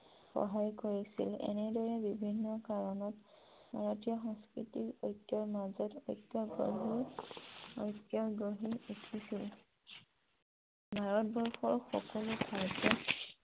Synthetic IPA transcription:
xɔ̰ɦajkoɹisḭlɛ̰nɛdɔɹɛbibʱinːɔkaɹɔnɔt | maɹɔtijɔxɔŋskɹitikɔjkːjɔmazɔto̰jkːjɔɡo̰ɦi | ɔjkːjɔɡɹoɦiukʰisil | bʱaɹɔt̚bɔɹxɔɹxɔkɔlutʰaɹtɛ

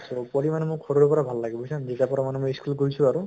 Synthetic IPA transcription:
sopɔɹimanɛmɔjkʰɔɾɔɾpɔɹabʱalːaɡibɔsʰanzitapɔɹamanɛmɔjskʰulkoɹisʰũaɹu

